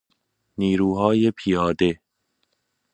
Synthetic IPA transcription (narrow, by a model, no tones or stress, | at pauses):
niːɾuːɦɒːjepʰijɒːd̪e